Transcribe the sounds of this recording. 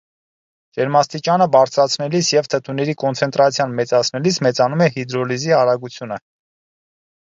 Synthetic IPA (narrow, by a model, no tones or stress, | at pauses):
d͡ʒɛɾmɑst̪it͡ʃɑnəbɑɾt͡sʰɾɑt͡sʰnɛlisjɛvt̪ʰət̪ʰunɛɾikɔnt͡sʰɛnt̪ɾɑt͡sʰjɑnmɛt͡sɑt͡sʰnɛlismɛt͡sɑnumɛhid̪ɾɔliziɑɾɑɡut͡sʰjunə